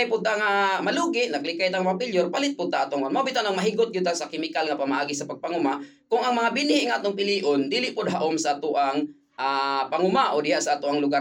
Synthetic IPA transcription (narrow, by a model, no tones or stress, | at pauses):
jpʊd̪̚t̪aŋamaluɡɪʔnaklɪkajt̪aŋmaapɪʎjʊrpalɪt̪̚pʊd̪̚t̪aʔaːt̪ʊŋnmawbit̪anaŋmaɦiɡʊt̪̚ɡʊd̪̚t̪asakɪmɪkalŋapamaʔaɡisapaɡ̚paŋʊma | kʊŋaŋmaŋabɪnhɪʔŋat̪ʊŋpɪliːʔʊnd̪ilɪʔpʊd̪̚ɦaʔʊmsaʔat̪ʊʔaŋ | ʔapaŋʊmaʔod̪ɪɦaʔsaʔaːt̪ʊʔaŋlʊɡa